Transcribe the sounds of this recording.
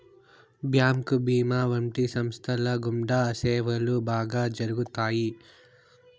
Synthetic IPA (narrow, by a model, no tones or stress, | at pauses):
bʱjaːmkubiːmaʋɐɳʈisɐmst̪ʰɐlɐɡumɖaɐsɛːʋɐlubʱaːɡɐd͡ʒɐɾuɡut̪aːji